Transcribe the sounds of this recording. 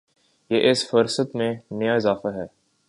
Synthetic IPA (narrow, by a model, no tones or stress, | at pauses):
jeːʔɪsfəɾsət̪mẽnɐjaɪzaːfaɦɛː